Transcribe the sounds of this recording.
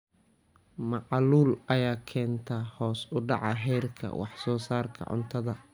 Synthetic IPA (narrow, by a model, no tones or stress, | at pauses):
mɑqɑluːlɐjaːkʰɛːnt̪ʰɐhɔːsʊɖɑʕɑɦɛjrkʰɐ̰wɑ̰ħsɔːsaːrkʰɐ̰ʕʊ̰nt̪ʰɐðɐ